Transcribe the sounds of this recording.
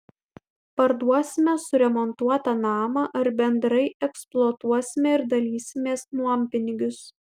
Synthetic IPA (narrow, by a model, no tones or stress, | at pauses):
pɐɾd̪uɔsʲɪmʲɛsʊɾʲɛmɔnt̪uɔt̪ɐnɑːmɐʔɐɾbʲɛnd̪ɾɐɪɛksplˠoːt̪uɔsʲɪmʲɛɪɾd̪ɐlʲiːsʲɪmʲeːsnumʲpʲɪnʲɪɡʲʊs